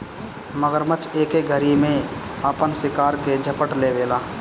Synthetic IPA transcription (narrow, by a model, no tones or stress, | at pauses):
məɡəɾmət͡ʃeːkeɡʱəɾimẽəpənsɪkaːɾked͡ʒʱəpəʈleʋeːlaː